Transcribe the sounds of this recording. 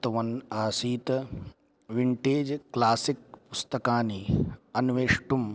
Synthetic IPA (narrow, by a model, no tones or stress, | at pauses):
t̪ɐʋɐnaːsiːt̪ | ʋiɳʈeːd͡ʒklaːsikpʊst̪ɐkaːniɐnʋeːʂʈum